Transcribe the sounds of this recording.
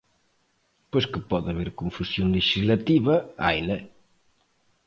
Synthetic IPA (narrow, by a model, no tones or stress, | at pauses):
poskəpɔðaβeɾkuɱfusjoŋleʃizlat̪iβɐajle